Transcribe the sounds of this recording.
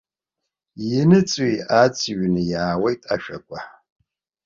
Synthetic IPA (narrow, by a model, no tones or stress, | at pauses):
jɪnɨt͡sʼiat͡sʼʰɥnɨjaːwejtʼa̰ʃᶣakʷʼa